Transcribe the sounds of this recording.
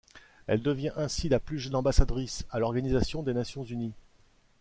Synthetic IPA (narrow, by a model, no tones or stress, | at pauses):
ɛ̰ld̪əvjɛ̃ʔɛ̃silaplyʒənɑ̃basad̪ʁisalɔʁɡanizasjɔ̃d̪enasjɔ̃zyni